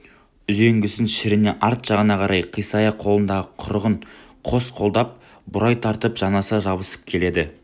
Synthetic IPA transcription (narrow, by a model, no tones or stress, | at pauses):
ʏze̞ŋɡʲɪsɪnʃɪɾɪne̞ʔɑɾt̪ʒ̥ɑʁənɑqʰɑɾɑjqʰijsɑjɑqʰo̞lˠənd̪ɑʁəqʰʊɾʁəɴ | qʰo̞sqʰo̞lˠd̪ɑp̚ | bʊɾɑjt̪ʰɑɾt̪əpʒ̥ɑnɑsɑʒɑβəsə̥p̚kʲʰe̞le̞d̪ɪ